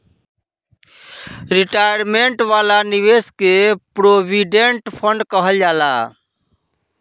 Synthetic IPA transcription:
ɾiʈajɾmeɳʈʋaːlaniʋeskepɾobiɖeɳʈpʰəɳɖkəɦəld͡ʒaːla

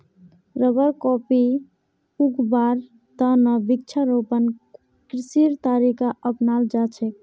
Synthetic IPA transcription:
ɾəbəɾkɔpi | ukbaɾ | t̪ənəbik̚t͡ʃʰaɾopən | kɾisiɾt̪aɾikaʔəpnald͡ʒat͡ʃʰɛk

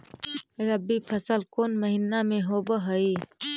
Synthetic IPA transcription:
eɾəbipʰəsəlkoːnməɦinamẽɦobəɦəi

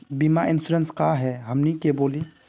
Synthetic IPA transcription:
bimaɪnsuɾənskaɦɛɦəmnikeboːli

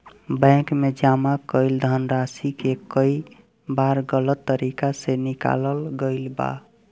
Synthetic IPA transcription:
bɛ̃kmed͡ʒamakəɪld̪ʱənɾasikekəi | baɾɡələt̪ːəɾikasenika̰ləlɡəɪlba̰

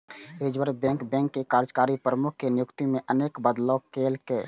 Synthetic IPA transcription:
ed͡ʒbəɾbɛ̃ŋkbɛ̃ŋkːekaɾd͡ʒkaɾipɾəmukʰːenjʊkt̪imẽʔəneːkbəd̪lɔkelkeː

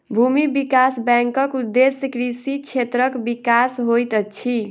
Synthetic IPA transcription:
bʱumibikasbɛ̃ŋkəkud̪ːesjəkɾisit͡ʃʰet̪ɾəkbikasɦojt̪ət͡ʃʰi

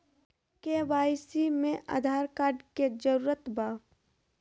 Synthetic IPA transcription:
kebaːjsimẽʔa̰ːd̪ʱaːɾkaːɾɖked͡ʒəɾuːɾət̪baː

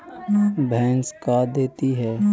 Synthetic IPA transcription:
bʱɛ̃ːnskad̪eːt̪iɦɛː

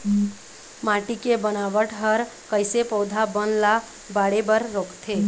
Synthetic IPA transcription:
maʈikebənaːʋəʈʰɦəɾkəɪsepəʊd̪ʱabənla | baːɽebəɾːoːkt̪ʰeː

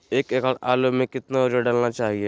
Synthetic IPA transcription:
eːkekəɽaːlomẽkɪt̪naʊd͡ʒaɖəlnat͡ʃaːɦieː

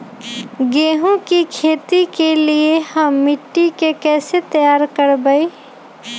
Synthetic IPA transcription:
ɡeɦũkikʰet̪ikeliehəmːiʈːikekɛːset̪əjaɾkəɾbəɪ

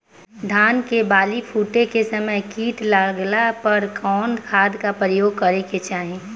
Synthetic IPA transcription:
ɖ̪ʱaːnkebaːlipʰuːʈekesəməjkiːʈlaɡlapəɾkʰɔːnkʰaːd̪kapɾəjoːɡ̚kɐɾeket͡ʃaːɦẽ

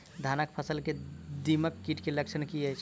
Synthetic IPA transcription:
d̪ʱanək̚pʰəsəlked̪iməkːiʈkelək̚t͡ʃʰənkiəjt͡ʃʰ

